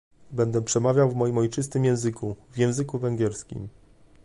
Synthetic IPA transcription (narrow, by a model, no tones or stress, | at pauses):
bɛnd̪ɛpʂɛmavʲjawvmɔjimɔjt͡ʂɘst̪ɘmjɛ̃w̃zɘkuvjɛ̃w̃zɘkuvɛŋɡʲjɛɾskʲḭm